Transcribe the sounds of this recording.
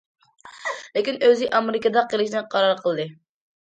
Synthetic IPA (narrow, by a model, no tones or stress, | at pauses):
lɪkʲinøzɪʔɑmeɾɪkəd̪ɑqʰəlˠɪʃnɨqʰɑɾɑɾqʰəlˠd̪ɨ